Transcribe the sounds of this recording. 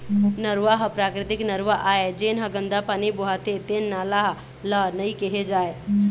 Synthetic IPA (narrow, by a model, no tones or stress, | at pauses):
nəɾʋaɦəpɾaːkɾɪt̪ɪknəɾʋaʔaːed͡ʒeːnɦəɡə̃nd̪apaːniboɦat̪et̪eːnːaːlaɦ | lənəĩkeɦed͡ʒaːe